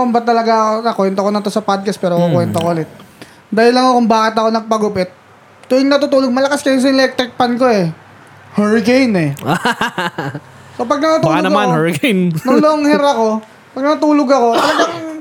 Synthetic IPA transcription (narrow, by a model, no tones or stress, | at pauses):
ombɐt̪ːɐlɐɡaɐkonɐkwɛnt̪okonɐt̪o̞sɐpad̪̚kɐst̪̚pɛːɾokokwɛnt̪okoʔʊlɛt̪̚ | d̪aːjɪlːɐŋokʊŋbaːkɪt̪ɐko̞nɐɡ̚pɐɡʊpɛt̪̚ | t̪oɪŋnɐt̪ʊt̪uːloɡ̚mɐlɐkaskɐjʊs̬ɐlɛk̚t̪ɾɪk̚panko̞ɛ | hɛɹkejnɛa | so̞pɐɡ̚nɐt̪ʊt̪ualonɐɡɐmanhɛɹkejnnʊŋloʔoŋhɛɾɐko̞ | pɐɡ̚nɐt̪ʊt̪uːloɡɐko̞t̪ɐlɐɡaŋ